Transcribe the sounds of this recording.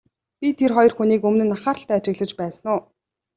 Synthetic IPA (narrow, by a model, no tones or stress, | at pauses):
pʲit̪ʰerχɔjɞ̆rxuniːkɵmnɘ̆nːaχaːɾə̆ɬt̪æːat͡ɕɪ̆ɣɮə̆t͡ɕpæːsənʊː